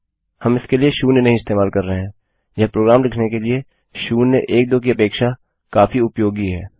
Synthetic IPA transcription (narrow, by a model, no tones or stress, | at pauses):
hɐmɪskelieʃuːnenɐɦĩɪst̪eːmaːlkɐɾːɐɦeɦɛ̃ː | jɐɦpɾoːɡɾaːmɾɪkʰnekelie | ʃuːneʔeːk̚d̪oːk̬iɐpeːkʃa | kaːfiʊpjoːɡiɦɛː